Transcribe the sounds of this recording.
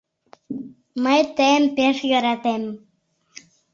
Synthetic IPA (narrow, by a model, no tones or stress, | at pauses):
məjt̪əmpeʃjøɾɑt̪em